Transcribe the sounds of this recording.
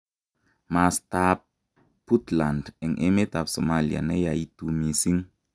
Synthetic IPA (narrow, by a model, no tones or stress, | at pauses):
mastap̚ | putlandɛnʔemetafsomalia̰nɛjaitumisiŋ